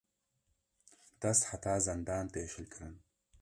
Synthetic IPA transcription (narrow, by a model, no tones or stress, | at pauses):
d̪̥ɐsħat̪ʰaːzɐnd̪aːnt̪eːʃɨlkʰɾɨn